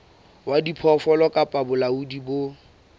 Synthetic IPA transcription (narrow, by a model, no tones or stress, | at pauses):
wadipʰɔfɔlɔkʼapʼabʊlaudibo